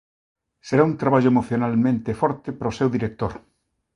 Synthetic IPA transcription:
seɾaunt̪ɾaβaʎoemoθjonalmẽnt̪efɔɾt̪epɾaosewðiɾek̚t̪oɾ

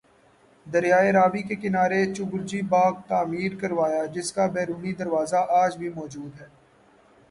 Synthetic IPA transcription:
d̪ɐɾjaːeɾaːʋikekɪnaːɾet͡ʃʊɡʊɾd͡ʒibaːɡ̚t̪aːmiːɾkɐɾʋaːjad͡ʒɪskabɛːɾuːnid̪ɐɾʋaːzaʔaːd͡ʒbʱimɔːd͡ʒuːd̪ɦɛː

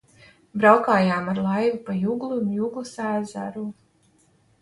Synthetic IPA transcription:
bɾawkaːjaːmaɾlˠajvipajuɡlˠumjuɡlˠusæːza̰ɾu

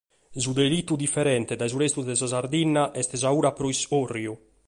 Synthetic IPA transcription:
zud̪elit̪ːud̪ifːɛɾɛnt̪ɛd̪ajzuɾest̪uzd̪ɛzazaɾd̪inːaʔɛst̪ɛzauːɾapɾoisorːju

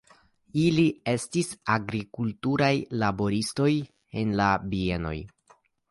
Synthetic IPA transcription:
ilie̞stisaɡɾikultuɾajlabo̞ɾisto̞j | e̞nlabie̞no̞̰j

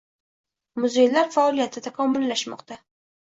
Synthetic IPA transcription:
mʊzejlːaɾfaɒlijat̪ʰɪt̪ʰakʰɒmːʊlːaʃmɒ̰qt̪a

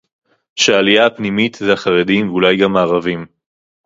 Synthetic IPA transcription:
ʃeaːlijaːpnimit̪zeaχaʁedimvulajɡamːaːʁavim

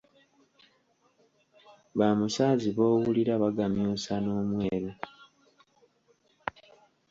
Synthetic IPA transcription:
βamusaːziβo̞ːwuliɾaβaɡamjuːsanoːmweːɾe

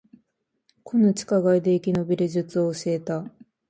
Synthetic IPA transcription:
kʰo̞not͡ɕi̥kaɡaid̪e̞ikʲino̞bʲiɾeʑɨt͡sɨo̞ːɕie̞t̪a

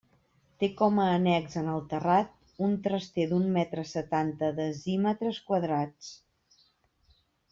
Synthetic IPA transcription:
t̪ekɔməːnɛkzənəlˠt̪ərat̪̚ | unt̪ɾəst̪ed̪unmɛt̪ɾəsət̪ant̪əðəzimət̪ɾəskwəðɾat͡s

